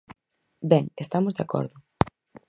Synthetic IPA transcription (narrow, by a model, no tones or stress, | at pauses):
bɛŋest̪amozðeakɔ̰ɾðʊ